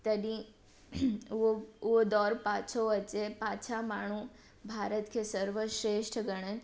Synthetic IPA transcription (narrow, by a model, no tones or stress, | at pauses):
t̪əd̪ĩ | ood̪ɔːɾpat͡ʃʰoʋət͡ʃepat͡ʃʰamaːɳ̤̃ũ | bʱaːɾət̪kʰesəɾʋəʃɾeʂʈʰɡəɽ̃ə